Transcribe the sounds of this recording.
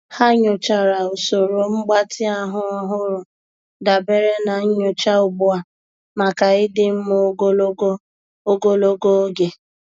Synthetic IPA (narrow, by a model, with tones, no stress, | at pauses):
ha˦ɲʊ˨t͡ʃa˨ɾa˨o˨so˨ɾo˨ŋ͡m̩˦ɡ͡ba˦tɪ˦a˦ɦʊ˦ɔ˦ɦʊ˦ɾʊ˨ | da˨be˨ɾe˦na˨ɲ̩˦ɲʊ˦˨t͡ʃa˦ʊ˨bʊ˦a˨ | ma˨ka˨ɪ˦dɪ˦m̩˦mo˦ɡo˦lo˦ɡo˦ | o˦ɡo˦lo˦ɡo˦o˦ɡe˨